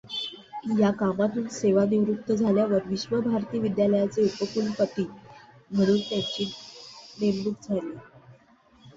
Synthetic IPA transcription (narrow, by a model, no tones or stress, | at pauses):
jakamat̪uːnseʋaniʋɾut̪ʰːəd͡zʱaljaʋəɾʋiɕʋəbʱaɾt̪iːʋid̪jaləjat͡seupəkulpət̪iː | m̤əɽ̃uːnt̪jat͡ɕiːpɾembuk̚d͡zʱaliː